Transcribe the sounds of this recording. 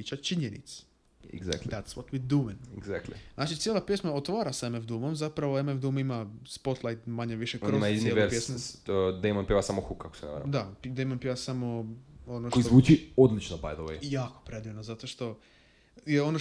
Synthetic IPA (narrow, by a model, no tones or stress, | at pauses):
it͡ʃat͡ʃiɲenḭt̪s | ḛɡza̰kt̪dd̪at̪swot̪mid̪umɛneɡzak̚t̪liznaːt͡ʃit̪sjelˠapjesmaot̪ʋaːɾasemefd̪umomzapɾaʋoemefd̪umimaspot̪lˠajt̪maɲeʋiʃekɾimaiznieʋeɾpjesmud̪ejmonpʲiʋasamoxukʰːako̥seɛna̰ʋ̰ɾ̰a̰dd̪apd̪ejmonpiʋasamoonoʃkoizʋuːt͡ʃiod̪lit͡ʃnoba̰jd̪oʋo̰jaːkopɾed̪iʋnozat̪oʃt̪o̞ | jeo̞no